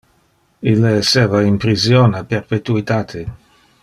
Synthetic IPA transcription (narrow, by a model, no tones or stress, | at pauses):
ilːeeseːvainpɾisjoneperpet̪uit̪aːt̪ʰe